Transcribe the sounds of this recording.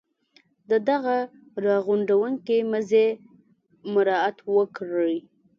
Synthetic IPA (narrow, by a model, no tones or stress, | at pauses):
d̪əd̪aɣa | ɾɑɣuɳɖawəŋkeməze | mʊɾɑat̪wəkɾəj